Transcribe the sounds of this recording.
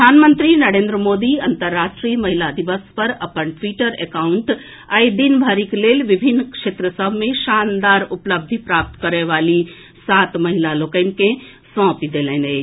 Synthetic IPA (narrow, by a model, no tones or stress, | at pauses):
pəɾəd̪ʱaːnmə̃nt̪ɾinəɾẽːnd̪ɾəmoːd̪iɐ̃nt̪əɾːaːʃʈɾimɐɦilad̪iʋəspɐɾɐpənʈʋiːʈəɾḛkaːʊɳʈ | ajd̪inbʱaːɾikleːlʋɪbʱinːkʃeːt̪ɾəsəbʱmẽʃaːnd̪aːɾʊpləb̚d̪ʱipɾaːp̚t̪kəɾeʋaːli | saːt̪mɐɦilaloːkəɪnkẽ | sɔ̃ːpid̪eːlɛ̃ːne